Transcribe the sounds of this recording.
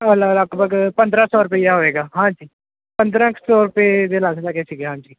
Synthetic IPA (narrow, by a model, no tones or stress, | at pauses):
ələləɡbʱəɡpə̃nd̪ɾãːsɔːɾʊpəiːaɦoːeːɡaːɦãːd͡ʒiː | pə̃nd̪ɾãːkʰsɔːɾʊpeːd̪eːlaːsd̪aːkeːsiɡeɦãːd͡ʒiː